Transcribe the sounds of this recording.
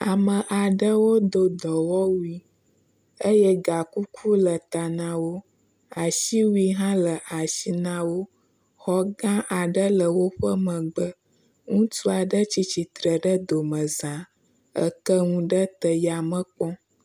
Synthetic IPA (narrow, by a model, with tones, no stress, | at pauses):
a˨mə̃˨ʔa˨ɖə˦wo˦d̪o˦d̪ɔ˨wɔ˦wu˦i˦ | ə˦jə˦ɡa˨ku˦kʰu˦lə˨t̪a˨nã˨wo˦ | a˨ʃi˦wu˦i˦ɦã˦lə˨ʔa˨ʃi˦nã˦wo˦ | xɔ˦ɡã˦ʔa˨ɖə˦lə˨wo˦ɸə˦mə̃˨ɡ͡bə˦ | ŋũ˦tu˦a˨ɖə˦t͡ɕi˦t͡ɕi˨t̪ɾə˨ɖə˦d̪o˨mə̃˨zã˨ | ə̰˦kə˦ŋũ˦ɖə˦t̪ə˦ja˨mə̃˦k͡pɔ̃˦